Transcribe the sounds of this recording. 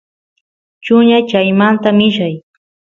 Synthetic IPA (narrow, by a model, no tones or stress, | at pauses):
t͡ʃʊɲat͡ʃajmant̪amɪʃaj